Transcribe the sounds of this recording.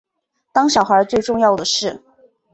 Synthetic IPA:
t̪ɑ˥ŋɕjɑ˨˩xə˞˧˥t͡swe˥˧ɪʈ͡ʂʊ˥˧ŋjɑ˥˩ʊd̪ə˩ʂɻ̩˥˩

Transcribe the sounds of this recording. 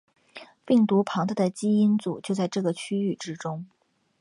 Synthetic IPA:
pi˥˩ŋt̪u˧˥pʰɑ˧˥ŋt̪ə˧d̪ə˨t͡ɕi˥i˥nt͡sṵ˨˩t͡ɕjo˥˧ʊt͡sa˥˧ɪʈ͡ʂɤ˥˩ɡə˩t͡ɕʰy˥y˥˩ʈ͡ʂɻ̩˥ʈ͡ʂʊ˥ŋ

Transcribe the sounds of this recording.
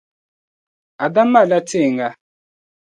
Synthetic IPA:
a˨da˦ma˦˨la˦ti˦˨ŋɡa˦

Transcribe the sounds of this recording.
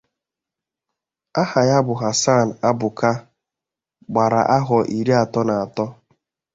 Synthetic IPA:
a˦ha˨ja˦bʊ˨ɦa˨sa˦˨n̩˨a˦bʊ˨ka˦ | ɡ͡ba˨ɾa̰˨ʔa˦ɦɔ˨ʔi˨ɾi˦a˨tɔ˦na˨a˨tɔ˦

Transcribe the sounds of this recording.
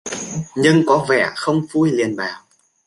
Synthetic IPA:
ɲɨ˧ŋkɔ˨˦vɛ̰˧˩˨xə˧wŋ͡mfu˧jli˨˩ənɓa̰ː˨˩w

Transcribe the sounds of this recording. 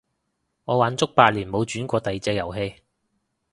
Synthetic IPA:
ŋɔː˨˧waː˨˥nt͡sʊ˥k̚paː˧t̚liː˨˩nmo˨˧wt͡ʃyː˨˥nkʷɔː˧t̪ɐ˨jt͡sɛː˧k̚jɐ˨˩wɦe˧j

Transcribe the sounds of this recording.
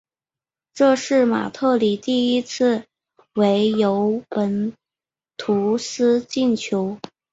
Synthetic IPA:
ʈ͡ʂɤ˥˧ʂɻ̩˥˩ma̰˨˩t̪ʰɤ˥˩li˨˩t̪i˥˩i˥t͡s̩ʰ˥˩ | we˧˥ɪjo˧˥ʊpə˧˥n | t̪ʰu˧˥sɹ̩˥t͡ɕi˥˩nt͡ɕʰjo˧˥ʊ

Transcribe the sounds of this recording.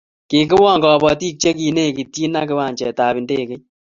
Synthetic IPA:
ki˨kɪ˦wɔ˦˨ŋɡɔ˨bɔ˨ti˦k̚t͡ʃe˦ki˨ne˦˨ki˨tji˦na˦k̬ɪ˦wa˨ɲt͡ʃɛ˨ta˨pɪ˨ndeː˦˨kɪ˦

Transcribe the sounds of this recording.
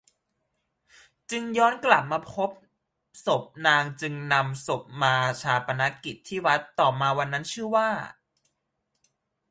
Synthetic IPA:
t͡ɕɯ˧ŋjɔː˦˥nkla˨˩p̚maː˧pʰo˦˥p̚ | so˨˩p̚naː˧ŋt͡ɕɯ˧ŋna˧mso˨˩p̚maː˧t͡ɕʰaː˧pa˧na˦˥ki˨˩t̪ʰːiː˥˩wa˦˥t̪ːɔː˨˩maː˧wa˧nːa˦˥nt͡ɕʰɯ˥˩waː˥˩

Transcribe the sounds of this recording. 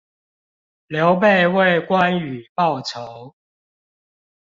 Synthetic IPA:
ljo˨˦ʊp̬e˥˨ɪwe˥˨ɪkwa˦ny˨˩pɑ˥˨ʊt͡sʰo˨˦ʊ

